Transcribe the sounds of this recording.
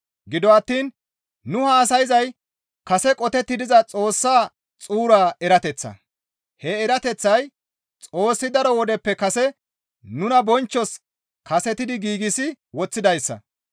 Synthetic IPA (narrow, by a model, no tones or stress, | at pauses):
ɡɪd̪ɔɐt̪ːiːn | nʊhaːs̬ɐjɪzɐj | kɐsɛkʼɔt̪ɛt̪ːɪd̪ɪzɐt͡sʼo̞ːsːaː | t͡sʼuːɾaːɛɾɐt̪ɛt͡sːɐ̰ | hɛːɾɐt̪ɛt͡sːɐj | t͡sʼo̞ːsːɪd̪ɐɾɔwɔd̪ɛpːɛkɐsɛ | nʊnɐbɔnt͡ʃːɔs | kɐsɛt̪ɪd̪ɪɡiːɡɪsɪ | wɔt͡sːɪd̪ɐjsːɐ̰